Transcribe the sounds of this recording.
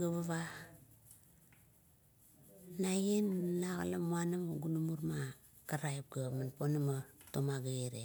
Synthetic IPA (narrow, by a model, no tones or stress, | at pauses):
ɡaβaβa | najenːaɣa̰la̰muanamuɡunumuɾma | kaɾajp̚ɡamanponamatomaɡaeɾḛ